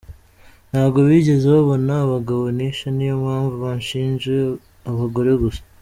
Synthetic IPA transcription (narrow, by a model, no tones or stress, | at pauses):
n̥haːβɡo̞βiːɟe̞zeβaβo̞naːβaɡaβo̞niʃanijomhaːɱvuβanʃiːnʒe | aβaɡo̞ɾe̞ɡusḁ